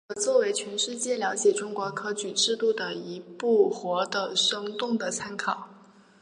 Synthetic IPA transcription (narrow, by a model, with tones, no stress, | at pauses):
ə˧˩t͡swɔ˥˩we˧˥ɪt͡ɕʰɥɛ˧˥nʂɻ̩˥˧t͡ɕjɛ˥˩ljɑ˧˥ʊt͡ɕjɛ˨˩ʈ͡ʂʊ˥ŋkwɔ˧˥kʰɤ˥t͡ɕy˨˩ʈ͡ʂɻ̩˥˧t̪u˥˩d̪ə˩i˧˥pu˥˩xwɔ˧˥d̪ə˧ʂɤ˥ŋt̪ʊ˥˩ŋd̪ə˩t͡sʰa˥nkʰɑ˨˩˦ʊ